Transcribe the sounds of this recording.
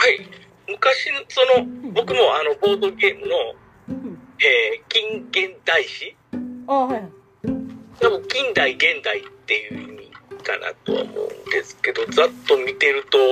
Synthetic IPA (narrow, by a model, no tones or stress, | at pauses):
hai | mɯ̟kaɕinoso̞no̞bo̞kɯ̟mo̞ano̞bo̞ːd̪o̞ɡʲe̞ːmɯ̟no̞ | eːkʲĩŋɡẽ̞nd̪aiɕi | aha | abɯkʲĩnd̪aiɡẽ̞nd̪ait̪ːe̞jɯ̟imʲḭka̰nʔa̰t̪o̞̰a̰mo̞̰ɯ̟̰̃nd̪e̞̰sɨ̥ke̞d̪o̞d͡zat̪ːo̞mʲit̪e̞ɾɯ̟t̪o̞